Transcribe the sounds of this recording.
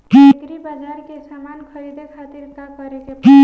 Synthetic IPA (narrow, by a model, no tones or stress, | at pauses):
kɾibəd͡ʒaɾkesamankʰəɾid̪ekʰat̪iɾkakəɾeke